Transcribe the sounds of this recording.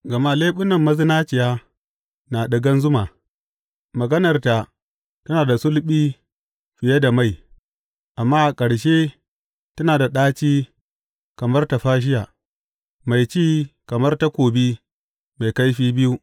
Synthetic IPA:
ɡɐ˨ma˦leː˦ɓʊ˦nɐ˨mːɐ˦zɪ˦naː˦t͡ʃɪ˨jaː˦ | na˨ɗɐ˨ɡɐ˦nzʊ˦ma˨ | mɐ˨ɡɐ˦nɐ˨rta˨ | tɐ˦naː˨da˨sʊ˦lɓiː˦ | ɸɪ˨je˦da˨ma˦˨j | ʔa˨mːaː˦ʔa˨kʼɐ˨ɽʃeː˦ | tɐ˦naː˨da˨ɗaː˦t͡ʃiː˦ | kɐ˨mɐ˦rta˨ɸaː˦ʃ̬ɪ˦jaː˨ | ma˨jt͡ʃiː˦kɐ˨mɐ˦rta˦kʷoː˨bi˦ | ma˨jka˦jɸiː˦bɪ˦ju˦

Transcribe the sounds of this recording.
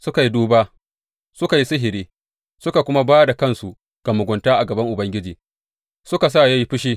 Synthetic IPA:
sʊ˦ka˨ji˦duː˦baː˦ | sʊ˦ka˨ji˦sɪ˦ɦɪ˨ɾiː˦ | sʊ˦ka˨kʷʊ˦ma˦baː˦da˨kɐ˦nsu˨ | ɡ̥ɐ˨mʊ˨ɡʷʊ˨ntaː˦ʔa˨ɡɐ˨bɐ˦ŋʔʊ˨bɐ˦ŋɡʲɪ˦d͡ʒiː˨ | sʊ˦ka˨s̬a˦˨ja˦ji˦ɸɪ˦ʃ̬iː˦

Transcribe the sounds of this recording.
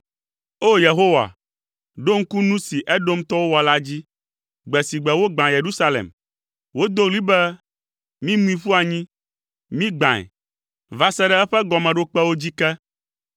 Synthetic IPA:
o˦je˨ɦo˦wa̰˨ | ɖo˦ŋ̩˦ku˦nũ˦si˨ʔɛ˦ɖo˦mt̪ɔ˦wo˦wɔ˨la˦d͡ʑi˦ | ɡ͡bɛ˨si˨ɡ͡bɛ˨wo˦ɡ͡bã˨je˨ɾu˦sa˦lḛ˨m | wo˦d̪o˦ɣli˦bɛ˦ | mĩ˦mũ˦ĩ˨ɸu˦a˨ɲĩ˦ | mĩ˦ɡ͡bã˨ɛ̰˨ | va˨sɛ˦ɖɛ˦ɛ˦ɸɛ˦ɡɔ˨mɛ̃˨ɖo˦k͡pɛ˦wo˦d͡ʑi˦kɛ˦

